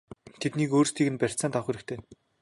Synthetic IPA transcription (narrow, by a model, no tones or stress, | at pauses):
t̪ʰet̪niːkoːrst̪ʰiːkɘ̆npær̥ʲt͡sant̪ʰɔχeɾɘ̆kt̪ʰeː